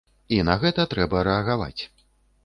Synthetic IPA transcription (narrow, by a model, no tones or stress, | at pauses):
inɐɣɛt̪ɐt̪ɾɛbɐɾɛɐɣava̰t͡sʲ